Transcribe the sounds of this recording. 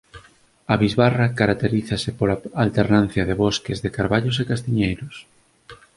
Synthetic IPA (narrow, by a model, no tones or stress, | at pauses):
ɐβizβarɐkaɾak̚t̪eɾiθɐsɪpolaalt̪eɾnãn̟θjɐðeβɔskezðekaɾβaʎos̬ekast̪iɲejɾʊs